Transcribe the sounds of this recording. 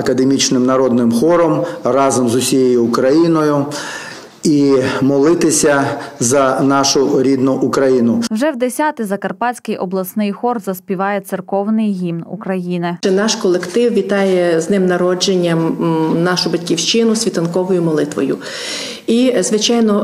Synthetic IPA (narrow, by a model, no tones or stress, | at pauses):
ɐkɐd̪emʲit͡ʃnɪmnɐɾɔd̪nɪmxɔɾɔmrɑzɔmzʊsʲijɛjʊːkɾɐjinɔjʊ | imɔlˠɪt̪ɪsʲɐzɐnɑʃʊɾʲid̪nʊʔʊkɾɐjinʊwʒɛwd̪esʲat̪ɪzɐkɐrpɑt͡sʲkɪjʔɔ̰blˠɐsnɪjxɔrzɐsʲpʲiʋɑjɛt̪sɪrkɔwnɪjɦʲimnukɾɐjinɪɛnɑʃkɔlˠekt̪ɪwʋʲit̪ɑjɛznɪmnɐɾɔd͡ʒenʲːɐmnɑʃʊbɐtʲkʲiwʃt͡ʃɪnʊsʲʋʲit̪ɐnkɔʋɔjʊmɔlˠɪt̪ʋɔ̰jʊ̰ | izʋɪt͡ʃɑjnɔ